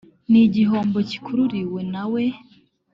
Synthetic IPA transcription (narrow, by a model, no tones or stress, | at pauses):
niɟiɦo̞ːmbo̞ci̥kuɾuɾiwe̞nawe̞